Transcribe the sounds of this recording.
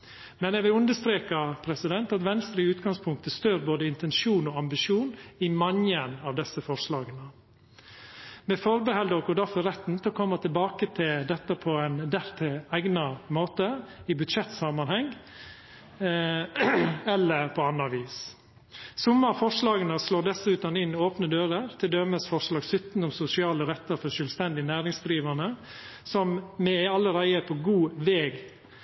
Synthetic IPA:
mɛnjɛɡʋɪlʉnd̪əst̪ɾeːkɑpʰɾɛsɪd̪ɛnt̪ɑt̪ʋɛnst̪ɾəʉːt̪ɡɑŋspʰʊŋk̚t̪əst̪øːɾboːd̪əɪnt̪ɛnʃuːnɔɑmbɪʂjuːnɪmɑŋənɑʋd̪ɛsəfɔʂɭɑːɡənə | mɛfɔɾbəhɛld̪oːkɔd̪æɾfɔɾɛt̪ːn̩t̪ʰɪɔkʰɔmːət̪ʰɪlbɑːkət̪ʰɪld̪ɛt̪ːəpʰɔæɪnd̪æɾt̪ʰɪæɪɡnɑmoːt̪əɪbʉd̪ʃɛt̪ːsɑmɑnhɛŋ | ɛlːəɾpʰɔɑnːɑɑʋiːs | sʊmːəɾfɔʂlɑːɡənəsloːɖ̪ɛsʉːt̪ɑnɪnːoːpnəd̪øːɾəɾt̪ʰɪld̪œməsfɔʂlɑːɡsʏt̪n̩ʊmsʊsɪɑːləɾɛt̪ːəɾfɔʂœːlst̪ɛnd̪ɪənæːɾɪŋsd̪ɾiːʋənə | sɔmmɛɑlːəɾæɪəpʰɔɡuːʋeːɡ

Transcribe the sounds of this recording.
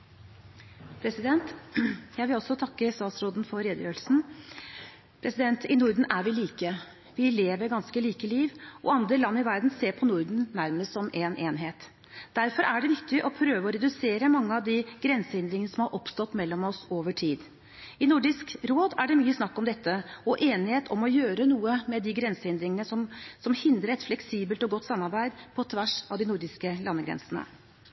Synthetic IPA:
pʰɾɛsɪd̪ɛnt̪jæɪʋɪlɔsɔt̪ʰɑkːəst̪ɑːt̪sɾoːd̪n̩fɔɾɾeːd̪jøːɾəlsn̩ | pʰɾɛsɪd̪ɛnt̪ʰɪnʊɾd̪n̩ʔæɾʋɪliːkə | ʋɪleːʋəɾɡɑnskəliːkəliːʋɔ̰ɑnd̪ɾəlɑnːɪʋæɾd̪n̩seːɾpʰɔnʊɾd̪n̩næɾməst̪sɔmʔenʔeːnɦeːt̪ | d̪̥æɾfɔɾʔæɖɛʋɪkt̪ɪʔɔpʰɾøːʋəɔɾɛd̪ʉseːɾəmɑŋːəɑʋd̪iɡ̥ɾɛnsəhɪnd̪ɾɪŋənəsɔmhɑɾʔɔpst̪ɔt̪ːmɛlːɔmɔsoːʋəʈʰiːd̪ | ɪnʊɖɪskɾoːd̪æɖɛmyːəsnɑkːɔmd̪ɛt̪ʰːəɔʔeːnɪheːt̪ʰɔmɔjøːɾənuːəmɛd̪ɪɡɾɛnsəɪnd̪ɾɪŋənəsɔmsɔmhɪnd̪ɾəɾɛt̪flɛksiːbəlt̪ɔɡɔt̪ːsɑmːɑɾbæɪd̪pʰɔt̪ʰʋæʂɑʋd̪ɪnʊɾɖɪskəlɑnːəɡɾɛ̰nsənə̰

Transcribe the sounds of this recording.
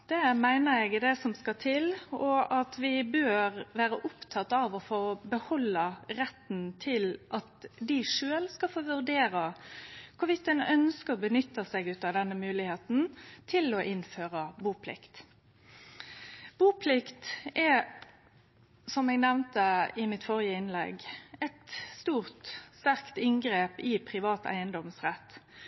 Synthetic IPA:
d̪̥ɛmæɪnəɾɛɡd̪ɛsɔmskɑt̪ʰɪlɔʔɑt̪ʋɪbøːɾʋæːɾəʔʊpt̪ʰɑt̪ːɑʋɔfoːbəhɔlːəɾɛt̪nt̪ʰɪlʔɑt̪d̪ɪʂøːlskɑfoːʋʉʁd̪eːɾɑkʰʊʋɪt̪ːɛnœnskəʁɔbənʏt̪ːəsɛɡʉːt̪ɑʋd̪ɛnːəmʉːlɪheːt̪n̩t̪ʰɪlɔʔɪnføːʁəbuːpʰlɪ̰kt̪ | b̥uːpʰlɪkt̪ɛ | sɔmɛːɡnɛʋnt̪əɪmɪt̪fɔʁɪəɪnlɛ̰ɡɛt̪st̪uːʁt̪st̪æʁkt̪ɪŋɡʁeːpɪpʰʁɪʋɑːt̪ʰæ̰ɪənd̪ɔmsʁɛt̪ː

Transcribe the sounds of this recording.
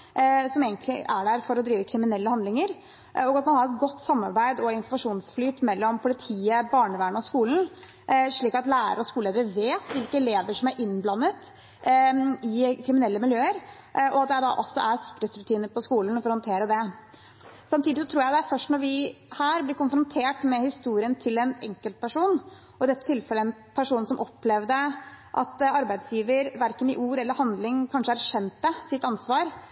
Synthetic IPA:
sɔmeːɡənt̪lɪ̰ʔæɖæɾfɔɾɔd̪ɾiːʋəkʰɾɪmɪnɛlːəhɑnd̪lɪŋəɾ | ɔɡɑt̪mɑnhɑɾɛt̪ɡɔt̪ːsɑmːɑ̰ɾbæɪd̪ɔɪnfɔɾmɑʂuːnsflyːt̪mɛlːɔmpʰʊlɪt̪ʰiːəbɑːɳəʋæːɳɔskuːln̩ | ʂɭiːkɑt̪læːɾə̰ɾɔskuleːd̪əɾəʋeːt̪ʋɪlkəɛleːʋəʂɔmæɾʔɪnblɑnːət̪ | ɪkʰɾɪmɪnɛlːəmɪljøːəɾ | ʔɔɑt̪̚d̪ɛæd̪ɑ̰ʔɔsɔ̰ʔæɾsɪ̥kɾəsɾʉt̪ʰiːnəɾpʰɔskuːlən̩ɔfɔɾhɑnt̪ʰeːɾəd̪ɛ | sɑmt̪ʰiːd̪ɪs̬ɔt̪ʰɾuːjæɪd̪ɛæɾfœʂʈnɔɾʋɪhæːɾblɪɾkʊnfɾʊnt̪ʰeːʈmɛhɪst̪uːɾɪənt̪ʰɪlɛnɛ̰ŋkəlt̪̚pʰæʂuːn | ɔɪd̪ɛt̪ːət̪ʰɪlfɛlːəɛnpʰæʂuːnsɔmʔɔpːlɛʋd̪əʔɑt̪ɑɾbæɪd̪sjiːʋəɾʋæɾkənɪʔuːɾɛlːəɾhɑnd̪lɪŋkʰɑnʂəæɾʂɛnt̪̚d̪ɛsɪt̪ːɑnsʋɑːɾ

